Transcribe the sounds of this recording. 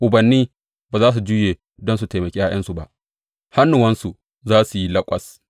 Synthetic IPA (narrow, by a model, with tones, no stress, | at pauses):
ʔʊ˨bɐ˨nːiː˦ | baː˨zaː˦s̬u˨d͡ʒuː˦jeː˨ | dɔ˦ns̬u˨te˨mɐ˨kʲeː˦ja˦j̰ʔɐ˦nsu˨ba˦ʔ | ha˦nːu˨wɐ˦nsu˨ | zaː˦su˨ji˦lɐ˦kʷʼɐ˨s